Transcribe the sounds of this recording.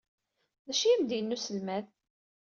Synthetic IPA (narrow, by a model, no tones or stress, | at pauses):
ðæʃijæmd̪ijənːusəlmæð